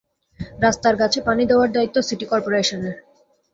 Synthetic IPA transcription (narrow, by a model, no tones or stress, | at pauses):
ɾast̪aɾkat͡ɕʰepanid̪eoaɾd̪ait̪ːosiʈikɔɾpoɾeʃoneɾ